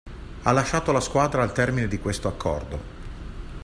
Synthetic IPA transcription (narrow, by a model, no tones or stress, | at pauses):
alːaʃːaːt̪olaskwaːd̪ɾaːlt̪ɛrmined̪ikwest̪oakʰːɔ̰rd̪o